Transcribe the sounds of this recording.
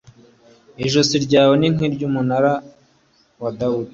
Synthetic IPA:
iʒosiɾɟaːweniŋiɾɟuːmunaɾa | wadawudi

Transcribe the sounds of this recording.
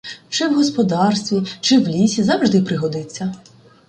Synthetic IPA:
t͡ʃɪwɦɔspɔd̪ɑrst̪ʋʲit͡ʃɪwlʲisʲizɑwʒd̪ɪpɾɪɦɔd̪ɪt͡sʲːɐ

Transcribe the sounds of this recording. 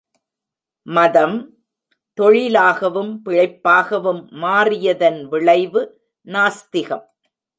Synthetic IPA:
mɐðɐm | t̪ɔɻɪlaːɣɐʋɯmpɪɻɐɪpːaːɣɐʋɯmːaːrɪjɐðɐnʋɪɭɐɪʋɯ | naːst̪ɪɣɐm

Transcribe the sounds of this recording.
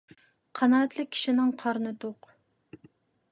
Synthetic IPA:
qʰɑnɑːɛt̪lˠɪkʲʰːi̥ʃinɪŋqʰɑɾnɨt̪oq

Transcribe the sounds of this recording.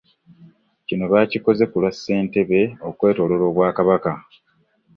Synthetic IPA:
cino̞βaːciko̞ze̞kulwasːe̞ːnte̞βe̞o̞kwe̞ːto̞ːlo̞ɾo̞ːβwaːkaβaka

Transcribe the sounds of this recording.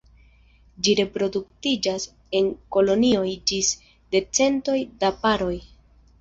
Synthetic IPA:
d͡ʒiɾe̞pɾo̞duk̚tid͡ʒas | e̞ŋko̞lo̞nio̞jd͡ʒis | de̞t͡se̞nto̞jdapaɾo̞j

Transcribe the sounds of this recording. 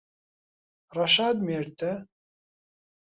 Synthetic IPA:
rɑʃaːd̪meːɾt̪ɛ

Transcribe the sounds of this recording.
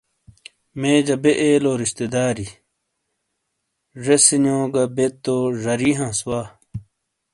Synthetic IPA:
mẽːd͡ʑɐbeʔeːloːɾiɕt̪ed̪aːɾi | ʐesinõːɡɐbet̪oʐɐɾiɦãːswaː

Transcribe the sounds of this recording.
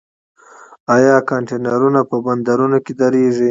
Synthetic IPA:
ajɑːkɑɳʈenaɾunapəband̪aɾunoked̪aɾeʐi

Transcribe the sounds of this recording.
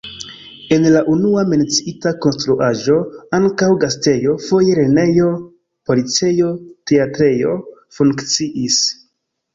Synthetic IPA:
e̞nlaʔunuame̞nt͡siitako̞nstɾuʔaʒo̞aŋkawɡaste̞jo̞fo̞je̞ɾe̞ne̞jo̞ | po̞lit͡se̞jo̞te̞atɾe̞jo̞fuŋkt͡siʔis

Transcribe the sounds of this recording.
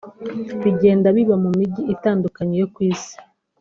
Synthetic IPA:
βiɟe̞ːndaβiβamumiɟiitaːndukaɲejo̞kwiːsi̥

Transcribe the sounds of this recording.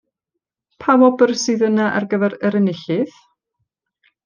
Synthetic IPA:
pʰawɔbərsɨðənaʔa̰rɡəvɛɾəɾənɪɬɪð̥

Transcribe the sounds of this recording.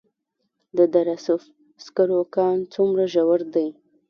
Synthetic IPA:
d̪əd̪aɾasʊf | skaɾokɑnt͡sumɾaʒawaɾd̪aj

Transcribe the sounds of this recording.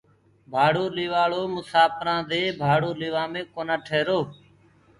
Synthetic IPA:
bʱaːɽoːliːʋaːɭoːmʊsaːpɾãːd̪eːbʱaːɽoːliːʋãːmẽːkoːnãːʈʰeːɾoː

